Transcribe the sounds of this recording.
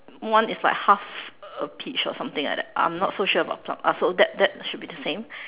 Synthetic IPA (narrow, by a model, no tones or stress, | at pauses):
wãnɪslaɪkhafəpʰit͡ʃɔ̰sãmt̪ɪ̃ŋla̰k̚dɛt̚ʔã̰ɪ̃mnɔtsoʃəba̰tpʰlã̰masodɛt̚dɛt̚ʃud̚bidəsẽm